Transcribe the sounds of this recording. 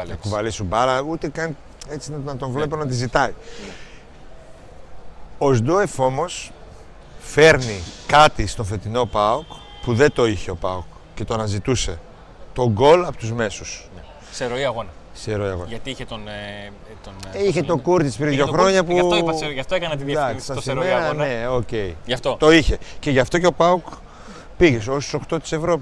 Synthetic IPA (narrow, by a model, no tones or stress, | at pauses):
kuvɐlisubɐɾɐut̪e̞kɐn | e̞t͡sinnɐt̪o̞ɱvle̞p̬o̞nɐt̪izit̪ɐi | o̞zd̪oefo̞mo̞s | fe̞ɾnikɐt̪ist̪o̞fe̞t̪ino̞pɐok | puðe̞t̪o̞içe̞o̞pɐok | ce̞t̪oɐnɐzit̪use̞ | t̪o̞ŋɡo̞lɐpot̪uzme̞susn | kseɾoiɐɣonɐ | kseɾoiɐ̰ɣonɐt̪iiçet̪on | t̪oniçet̪o̞kuɾt̪ispɾiðʝo̞xɾo̞ɲɐpusɐft̪oekɐnɐt̪id̪ɐsssɾeɐneoce̞iʝɐft̪ot̪o̞içe̞ce̞ʝɐft̪o̞ceo̞pɐuk | piʝesost̪u̥so̞xt̪o̞t̪i̥se̞vɾo̞pi